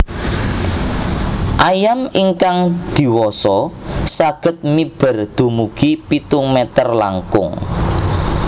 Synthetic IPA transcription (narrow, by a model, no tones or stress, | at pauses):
ʔajamiŋkaŋd̪̥i̤wɔsɔsaɡ̥ə̤t̪̚mib̥ə̤rd̪̥ṳmuɡ̥ipit̪ʊŋmɛt̪ərla̰ŋkʊ̰ŋ